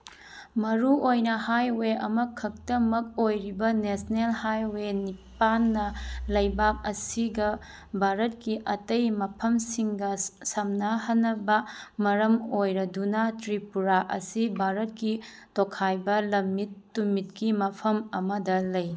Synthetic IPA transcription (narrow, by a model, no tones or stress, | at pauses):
mɐɾuʔojnɐhajweɐmɐkʰɐk̚tɐmɐk̚ojɾibɐnesnelhajwenipanːɐlɐjbap̚ɐsiɡɐ | bʱaɾɐt̚kiʔɐtɐjmɐpʰɐmsiŋɡɐsɐmnɐhɐnːɐbɐmɐɾɐmojɾɐdunɐtɾipuɾaʔɐ̰sibʱaɾɐt̚kitokʰajbɐlɐmːitːumit̚kimɐpʰɐmɐmɐdɐlɐj